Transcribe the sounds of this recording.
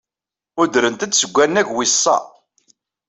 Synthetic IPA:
ʊd̪ɾənt̪æt͡s̪ːsəɡʷːænːækwisˤːɑ̰

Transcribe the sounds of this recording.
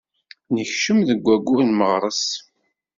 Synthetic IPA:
nəçʃəmðəɡʷːæɡʷːunməʁɾˤəs

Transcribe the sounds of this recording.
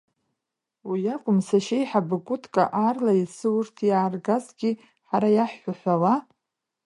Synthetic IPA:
wijakʷʼʊmsaʃejħabɨkʷʼʊtʰʼkʼa̰ʔarlaisɨwʊrtʰjaːrɡazɡʲi | ħaɾajaħːʷaħʷawa

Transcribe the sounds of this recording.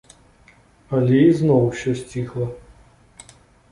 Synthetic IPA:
ɐlʲɛiznɔwɕʲɔsʲt͡sʲixlˠɐ

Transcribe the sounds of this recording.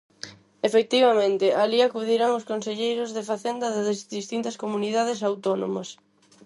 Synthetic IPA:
efek̚t̪iβɐmẽnt̪ɪʔaliakuðiɾaŋʊskonseʎejɾʊzðɪfaθend̪ɐðɪððist̪int̪ɐskomuniðaðesawt̪ɔno̰mɐs

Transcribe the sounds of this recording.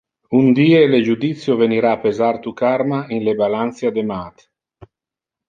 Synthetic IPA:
und̪iːeled͡ʒud̪it̪sjoveniɾaːpezart̪ukarmainlebalant̪sjad̪emaːt̪

